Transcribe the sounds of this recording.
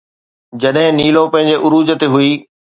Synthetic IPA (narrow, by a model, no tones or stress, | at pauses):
d͡ʑɐɗɦɪ̃niːlõpɐ̃ɦɪ̃ɲd͡ʑeʔʊɾuːd͡ʑt̪eɦʊiː